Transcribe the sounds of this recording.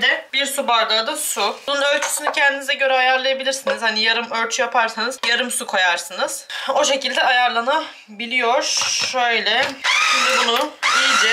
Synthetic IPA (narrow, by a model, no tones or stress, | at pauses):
d̪ɛbiɾsubaɾɡ̪ˠad̪ɯsununø̞lʲt͡ʃʰy̥synycʰɛnd̪inizɛɟø̞ɾɛajaɾlˠajabilʲiɾsinizhanijaɾɯmøɾt͡ʃʰyjapʰaɾsanɯzjaɾɯmsukʰojaɾsɯnɯz̥o̞ʃe̞cilʲd̪ɛajaɾlˠana | bilʲijo̞ɾʃø̞jlʲɛʃumd̪bunud̪id͡ʒɛ